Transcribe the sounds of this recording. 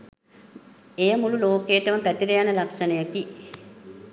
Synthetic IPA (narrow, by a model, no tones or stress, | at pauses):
ejəmululoːkejːʈəməpæt̪iɾejanəlakʂɐnəjəki